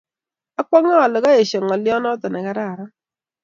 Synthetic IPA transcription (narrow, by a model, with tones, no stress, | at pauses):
a˦k͡pɔ˦ŋɔ˦a˨lɪ˨ɣɔ˦e˨ʃe˨ŋɔ˨ljɔ˦nɔ˦tɔ˨na˨ɣa˦ɾa˦˨ɾa˦